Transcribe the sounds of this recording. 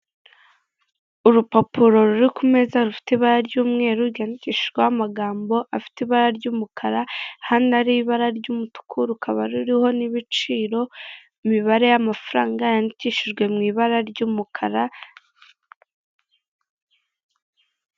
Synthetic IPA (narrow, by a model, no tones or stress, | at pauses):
uɾupopuɾo̞ɾuɾikume̞zaɾufi̥tiβaɾaɾɟuːmŋe̞ːɾuɾɡaniciʃiʒɡwahamaɡaːmbo̞ʔafi̥tiβaɾaɾɟuːmukʰaɾahanaɾiβaɾaɾɟuːmutu̥kʰuɾukʰaβaɾuɾiho̞niβit͡ʃiːɾo̞ | imiβaɾe̞jamafaɾaːŋɡajaniciʃiʒɡwe̞mŋiːβaɾaɾɟuːmukʰaɾa